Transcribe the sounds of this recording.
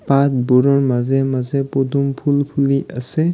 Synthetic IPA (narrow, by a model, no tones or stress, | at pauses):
pat̪̚bɔɾɔɹmazɛmazɛpɔd̪umpʰulpʰuliʔasɛ